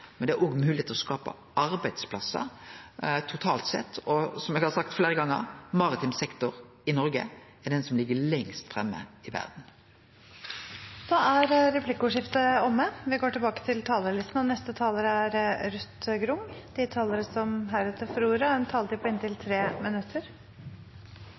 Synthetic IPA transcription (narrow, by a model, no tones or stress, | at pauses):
mɛnd̪ɛæʔoːɡmʉːlɪet̪lɔskɑːpə̰ | ɑɾbæɪd̪spʰlɑsə̰ | t̪ʰʊt̪ʰɑːlt̪sɛ̰t̪ʰːɔsɔmɛɡhɑsɑk̚t̪fleːɾəɡɑŋːə̰ɾmɑʁɪt̪ʰɪmsɛkt̪ʊɾ | ɪnɔɾɡə̰ | ɛd̪ɛnsɔmlɪɡːəlɛŋst̪fʁɛmːə̰ɪʋæ̰ʁd̪n̩ | d̪̥ɑæɾɾɛpʰlɪkːəʊːʂɪft̪əɔmːəʋɪɡoːʈɪlbɑːkə̥t̪ʰɪlt̪ʰɑːləlɪst̪nɔnɛst̪ət̪ʰɑːləɾəæɾɾʉt̪ɡɾʊŋd̪ɪt̪ʰɑːləɾəsɔmɦæɾʉːt̪ʰəfɾuːɾɑɛnt̪ʰɑːlt̪ɪpɔɪnt̪ɪlt̪ʰɾeːmɪnʉt̪ʰːəɾ